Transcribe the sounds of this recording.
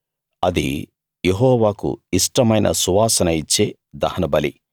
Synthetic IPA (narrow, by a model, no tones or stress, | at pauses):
ɐd̪ḭ | jeɦɔːʋaːkṵiʂʈɐmɐjnʔɐ̰suʋaːsɐnɐit͡ʃːeː | d̪ɐhɐnɐbɐli